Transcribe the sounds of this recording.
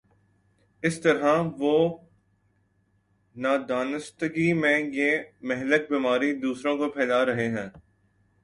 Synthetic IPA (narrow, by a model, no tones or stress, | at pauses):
ɪst̪ɐɾɦãʋoː | naːd̪aːnəst̪əɡimẽːjeːmɛɦlək̚biːmaːɾid̪uːsɾõkopʰɛːlaːɾɐɦeɦɛ̃ː